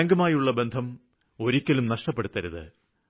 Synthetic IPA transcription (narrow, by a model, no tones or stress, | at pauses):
ɐŋɡɐmaːjuɭːɐbe̞nd̪ʱɐm | o̞ɾikʲːɐlumnɐʂʈɐpːeɽut̪ːɐɾuðɨ̰